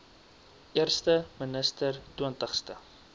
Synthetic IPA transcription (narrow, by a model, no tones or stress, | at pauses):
ʔiərstəmənəstərtuəntəχstə